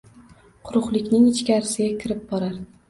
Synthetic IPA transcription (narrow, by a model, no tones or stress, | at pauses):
qʰʊɾʊqlˠɪkʲnɪŋɪt͡ʃkʲaɾɪsɪɡʲakʲʰɪɾɪp̚bɒɾaɾ